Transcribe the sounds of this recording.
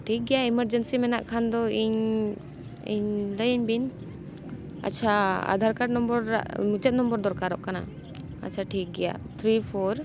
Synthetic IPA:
ʈʰik̚ɡɛjaiməɾd͡ʒɛnsimɛna̰ʔkʰand̪ɔiɲ | ḭɲləjɲbin | a̰t͡ʃʰaa̰d̪ʱaɾkaɖnɔmbɔɾa̰ʔmut͡ʃɛt̪̚nɔmbɔɾd̪ɔɾkaɾɔʔkana̰ | a̰t͡ʃʰaʈʰik̚ɡɛja̰t̪ʰɾipʰɔɾ

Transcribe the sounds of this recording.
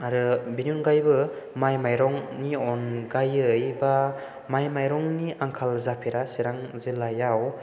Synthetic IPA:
aɾɯbiniunɡajbɯ | majmajɾɔŋniɔnɡajɯjba | majmajɾɔŋniʔaŋkʰalzapʰiɾasiɾaŋzilajaw

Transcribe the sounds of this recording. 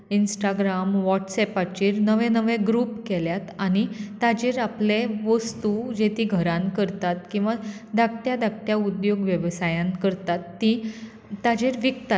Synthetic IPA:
insʈaɡɾamʋɔʈsɛpat͡ɕiːɾnəʋẽnəʋẽɡɾuːpkɛljat̪añit̪ad͡ʑeɾapleʋəst̪ud͡ʑet̪iɡʱəɾãnkəɾt̪at̪kĩw̃ʋad̪ak̚ʈjad̪ak̚ʈjaud̪joɡʋjəʋsajãnkəɾt̪at̪ːĩ | t̪ad͡ʑeɾʋikt̪a

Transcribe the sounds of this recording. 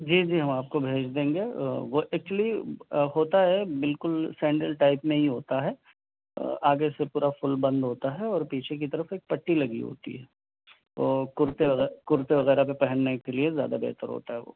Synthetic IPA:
d͡ʒiːd͡ʒiːɦɐmaːp̚kobʱeːd͡ʒd̪ẽːŋɡeːʋoʔɛk̚t͡ʃwəlihoːt̪aɦɛbɪlkʊlsɛ̃ːɳɖəlʈaːɪpmẽɦiɦoːt̪aɦɛ | aːɡesepuːɾafʊlbɐ̃nd̪ɦoːt̪aɦɛɔːɾpiːt͡ʃʰek̬it̪ɐɾəfeːk̚pɐʈːilɐɡḭɦo̰ːt̪ḭɦɛː | oːkʊɾt̪eʋɐɣɛkʊɾt̪eʋɐɣɛːɾapepɛɦənːekeliezja̰ːd̪abɛ̰ːt̪əɾɦo̰ːt̪aɦɛʋo̰ː

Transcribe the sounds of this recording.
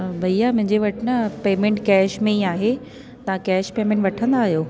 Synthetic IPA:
bʱɐiamʊ̃ɦɪ̃ɲd͡ʑeʋɐʈʰɪnɐpeːmẽɳʈkɛːʃmẽiaːɦe | t̪ɐʋãkɛːʃpeːmẽɳʈʋɐʈʰə̃nd̪aːɦijoː

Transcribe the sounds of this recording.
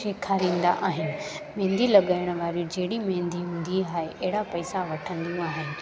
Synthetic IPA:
ʃeːkʰaːɾĩːn̆d̪a̰ʔaːɦɪnɪ̆ | mẽːnd̪ʱilɐɠaːɪɽ̃ʋaːɾijũd͡ʑɐɦɪɽimẽːnd̪ʱiɦũːn̆d̪iɦaːɦeʔɐɦɪɽapɐɪsaʋɐʈʰə̃nd̪ijũaːɦɪnɪ̆

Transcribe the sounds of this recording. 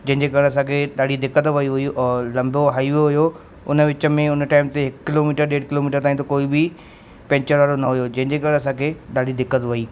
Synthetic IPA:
d͡ʑɐ̃ɦɪ̃ɲd͡ʑekɐɽ̃ɐsãkʰeɗaːɽid̪ɪkːət̪ʋɐiɦʊiʔɛ̃ːlɐ̃mbʱoɦaːiʋioɦʊjo | ʊnəʋɪt͡ɕə̆mẽʊnəʈaːɪmt̪eɦɪkkɪloːmiːʈəɾɗeːɽkɪloːmiːʈəɾt̪aːĩt̪̬okoːibɪ | pɛ̃ːɲt͡ɕəɾʋaːɽonɐɦʊjod͡ʑɐ̃ɦɪ̃ɲd͡ʑeːkɐɽ̃ɐsãːkʰeɗaːɽid̪ɪkːət̪ʋɐiː

